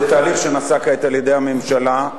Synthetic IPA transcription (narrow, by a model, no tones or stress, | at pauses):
t̪aːliχʃenasakaet̪aljed̪ejame̞mʃala